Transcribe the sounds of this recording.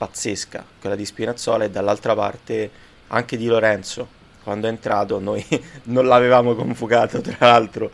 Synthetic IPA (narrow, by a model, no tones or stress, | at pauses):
pat̪sːeska̰kwelːad̪ispinat̪sɔːlaed̪ːalːalt̪ɾapa̰rt̪e | a̰ŋk̟ed̪iloɾɛnt̪so | kwand̪oɛnt̪ɾaːt̪onojnonlaːvevaːmokoɱfukaːt̪ot̪ɾalalt̪ɾo